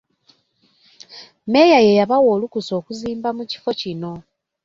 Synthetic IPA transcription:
me̞jaje̞jaβawo̞ːlukuso̞ːkuziːmbamuci̥fo̞cino̞

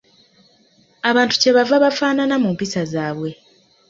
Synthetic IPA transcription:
aβaːntu̥ce̞βavaβafaːnanamumpisazaːβwe̞

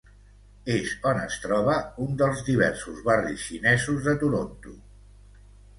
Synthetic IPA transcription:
eʃɔnə̰st̪ɾɔβ̞əund̪əlˠzðiβ̞ɛ̰ɾsuzβarisʃinɛzuzðət̪uɾont̪u

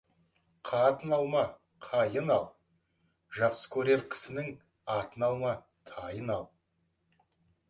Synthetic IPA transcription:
qʰɑt̪ənɑlˠmɑ | qʰɑjənɑlˠ | ʒɑqsə̥kʲʰɵɾe̞ɾkʲʰɪ̥sɪnɪŋ | ɑt̪ənɑlˠmɑ | t̪ʰɑjənɑlˠ

